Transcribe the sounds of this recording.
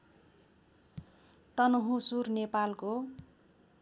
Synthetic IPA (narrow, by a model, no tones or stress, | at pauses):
t̪ʌnoɦusurnepalko